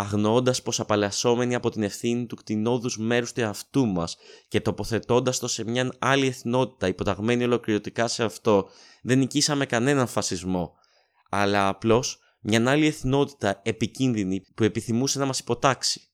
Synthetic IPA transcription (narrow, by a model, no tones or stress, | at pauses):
ɐɣno̞nd̪ɐspo̞sɐpɐlɐso̞me̞niɐpo̞t̪ine̞fθinit̪ukt̪ino̞ðuzme̞ɾust̪ueɐft̪umɐsce̞t̪o̞po̞θe̞t̪o̞nd̪ɐst̪o̞se̞mɲɐnɐlie̞θno̞t̪i̥t̪ɐipo̞t̪ɐɣme̞nio̞lo̞kliɾot̪ikɐse̞ɐft̪o̞ | ðe̞nicisɐme̞kɐne̞nɐɱfɐsizmo̞ | ɐlɐːplo̞s | mɲɐnɐlieθno̞t̪i̥t̪ɐe̞picinðinipue̞piθimusenɐmɐsi̥po̞t̪ɐksi̥